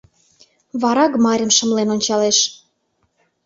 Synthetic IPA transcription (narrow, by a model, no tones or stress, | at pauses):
βɑɾɑkmɑɾʲə̆mʃə̆mlenonʲt͡ɕɑleʃ